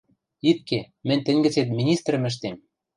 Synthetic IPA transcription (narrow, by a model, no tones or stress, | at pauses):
it̪̚ke | mɘ̆nʲt̪ɘ̆nʲɡɘ̆t͡set̪mʲinʲist̪rə̆mɘ̆ʃ̬t̪em